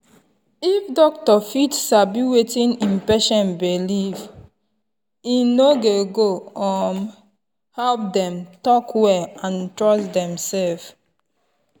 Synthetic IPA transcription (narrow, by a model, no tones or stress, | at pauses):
ifdɔk̚tɔfitsabiwetĩnĩmpɛʃɔ̃nbiliv | inoɡeɡoɔn | hɛlp̚dɛ̃mtɔkwɛlãntɹɔstdɛ̃msɛlf